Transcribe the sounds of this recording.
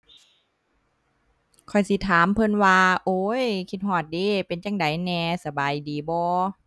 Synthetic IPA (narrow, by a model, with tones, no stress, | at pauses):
kʰɔ˨˩jsi˧˦t̪ʰaː˨˦mpʰɤ˧˥˨nwaː˧ʔoː˧˦jkʰi˧t̪̚hɔː˧˩t̪̚deː˧˩pe˨˦nt͡ɕa˧˥ŋda˨˦jnɛː˧sa˧baː˨jdiː˨˦bɔː˧˦